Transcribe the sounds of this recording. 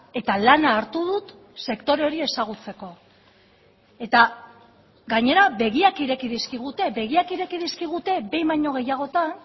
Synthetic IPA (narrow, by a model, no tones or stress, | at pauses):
e̞t̪alanaːɾt̪uðut̪ | se̞kt̪o̞ɾe̞o̞ɾie̞saɣ̞ut͡se̞ko̞ | e̞t̪a | ɡaɲe̞ɾaβe̞ɣiakiɾe̞kiðiskiɣ̞ut̪e̞be̞ɣ̞iakiɾe̞kiðiskiɣ̞ut̪e̞be̞jmajɲo̞ɣe̞jaɣ̞o̞t̪an